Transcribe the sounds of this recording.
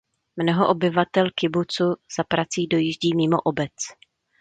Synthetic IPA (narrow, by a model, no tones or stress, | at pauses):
mnoɦoʔobɪvat̪ɛlkɪbut͡suz̥apɾat͡siːdo̞jɪʒɟiːmɪːmo̰ʔobɛt͡s